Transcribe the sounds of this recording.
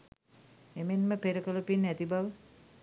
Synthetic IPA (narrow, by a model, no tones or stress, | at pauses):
emenməpeɾəkələpinæt̪ibaʋə